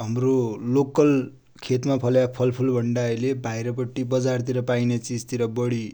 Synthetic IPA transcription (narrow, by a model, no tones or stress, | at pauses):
ɦʌmrolokʌl | kʰet̪mapʰʌljapʰʌlpʰulbʱʌɳɖalebʱajɾʌpʌʈːibʌd͡zart̪̬iɾʌpajnet͡sist̪iɾʌbʌɽi